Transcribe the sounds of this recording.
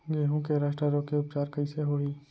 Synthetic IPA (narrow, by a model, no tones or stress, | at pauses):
jeɦũkeɾaːʃʈɾəɾoːkeʊpt͡ʃaːɾkɐiseɦoːiː